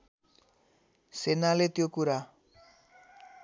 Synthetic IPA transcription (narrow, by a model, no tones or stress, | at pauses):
senalet̪jokuɾa